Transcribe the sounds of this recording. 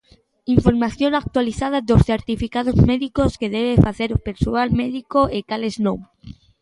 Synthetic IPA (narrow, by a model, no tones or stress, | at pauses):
iɱfoɾmaθjoŋak̚t̪waliθað̞ad̪osθeɾt̪ifikaðozmeðikoskeðeβefaθeɾpeɾsoalmeðikoekaleznõŋ